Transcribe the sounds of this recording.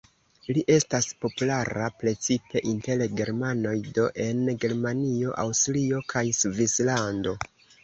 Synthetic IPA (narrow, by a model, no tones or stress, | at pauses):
liʔe̞staspo̞pulaɾapɾe̞t͡sipe̞ʔinte̞lɡe̞ɾmano̞jdo̞ʔe̞nɡe̞ɾmanio̞ʔawstlio̞kʰajsvislando̞